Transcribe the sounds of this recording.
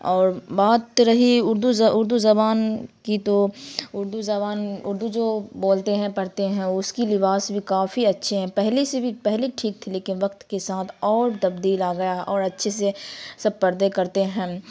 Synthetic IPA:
ɔːɾbaːt̪ɾɐɦiʊɾd̪uzʊɾd̪uzɐbaːnkit̪oʊɾd̪uzɐbaːnʊɾd̪ud͡ʒoːboːlt̪eɦɛ̃pɐɽt̪eɦɛ̃ʊskilɪbaːsbʱikaːfiɐtːʃʰeɦɛ̃pɛɦlisebʱipɛɦliʈʰiːk̚t̪ʰileːkɪnʋɐkt̪kesaːt̪ʰɔːɾt̪ɐbd̪iːlaːɡɐjaɦʔɔːɾɐtːʃʰesesɐb̚pɐɾd̪ekɐɾt̪eɦɛ̃ː

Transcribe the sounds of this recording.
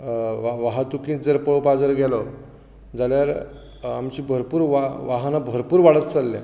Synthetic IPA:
ʋaʋaɦat̪ukĩd͡zəɾpəɭpad͡zəɾɡʱɛlɔ | d͡zaljaɾ | amt͡ɕiːbʱəɾpuːɾʋaʋaɦənabʱəɾpuːɾʋaɽət͡st͡salːã̰

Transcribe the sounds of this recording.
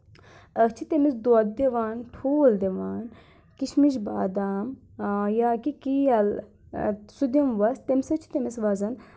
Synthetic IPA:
ɐt͡ʃʰit̪emisd̪oɐt̪̚d̪eʋaːnʈʰoːld̪eʋaːn | kiʃmiʃba̰ːd̪aːm | jaːkikiɐl | sud̪imʋɐst̪emsɐt͡ʃʰi̥t̪emisʋazɐn

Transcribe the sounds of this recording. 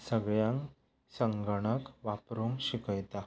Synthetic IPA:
səɡɭjãŋk | səŋɡəɽ̃əkʋapɾomɕikəjt̪a

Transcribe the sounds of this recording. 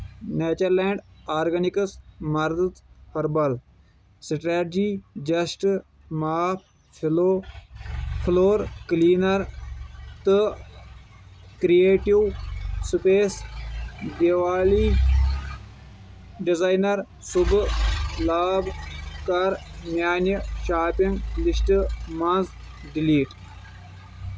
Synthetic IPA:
nɛːt͡ʃəɾlɛ̃ːɳɖaːɾɡənɪkəsməɾd̪t̪pʰəɾbəl | sɪʈaːɾd͡ʒiːd͡ʒəsʈ | maːpʰ | pʰɪloː | pʰloːɾkliːnəɾ | t̪ə | kɾieːʈiwspeːs | d̪iʋaːliː | ɖizaːjnɐɾ | sub | laːbkɐɾmjaːniʃaːpiŋɡlisʈɨmɐnz | ɖiliːʈ

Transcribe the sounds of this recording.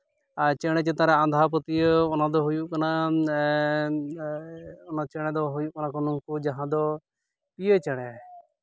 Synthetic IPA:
at͡ʃɛɽ̃ɛt͡ʃet̪ãɾɛand̪ʱaːp̬ɔt̪ijɔɔnad̪ɔɦujuʔkana | ɔnat͡ʃɛɽ̃ɛd̪ɔɦujuʔkɔnakɔnukud͡ʒaɦãd̪ɔ | piet͡ʃɛɽ̃ɛ

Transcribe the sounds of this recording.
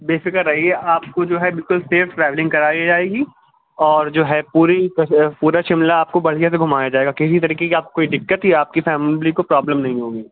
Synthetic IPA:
beːfɪkəɾːɐɦiɛʔaːp̚kod͡ʒoːɦɛbɪlkʊlseːfʈɾɛːʋlɪ̃ŋkɐɾaːid͡ʒaːeːɡi | ɔːɾd͡ʒoːɦɛpuːɾikɐpuːɾaʃɪmlaaːp̚kobɐɽ̤ijas̬eɡʱʊmaːjad͡ʒaːeːɡakɪs̬it̪ɐɾiːkekeaːp̚kokoːiɖɪkːət̪ɦiaːp̚kifɛːmlikopɾɔːbləmnɐɦĩɦoːɡiː

